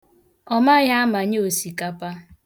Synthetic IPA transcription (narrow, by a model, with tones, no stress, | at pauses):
ɔ˦ma˦ɣa˦a˦ma˨ɲ˦o˨si˨ka˦pa˦